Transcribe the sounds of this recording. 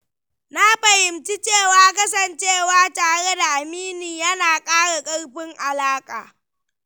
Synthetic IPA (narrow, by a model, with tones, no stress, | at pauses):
na˦ɸɐ˨hɪ˨mt͡ʃi˦t͡ʃeː˦˨waː˦kɐ˦sɐ˦˨nt͡ʃeː˦˨waː˦taː˨ɽe˦da˨ʔa˨miː˦niː˨jɐ˦naː˨kʼaː˦ɽa˨kʼɐ˦ɽɸɪ˦ŋʔa˨laː˦kʼa̰ː˨